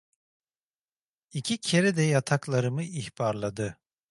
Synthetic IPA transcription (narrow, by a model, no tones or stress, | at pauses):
icʰicʰeɾɛd̪ɛjat̪ʰaklˠaɾɯmɯihb̥aɾlˠad̪ɯ